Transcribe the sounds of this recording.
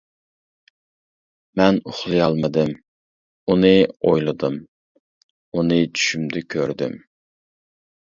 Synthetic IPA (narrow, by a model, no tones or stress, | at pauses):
mɛnoχlˠɨjɑlˠmɨd̪ɪm | unɨojlˠɨd̪ɨm | unɪt͡ʃʰy̥ʃymd̪ɪkʲʰøɾd̪ɪ̰m